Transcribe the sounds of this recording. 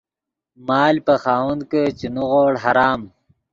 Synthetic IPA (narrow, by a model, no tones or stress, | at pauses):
maːlpɐxaːwund̪kət͡ɕinuɣoːɽɦɐɾaːm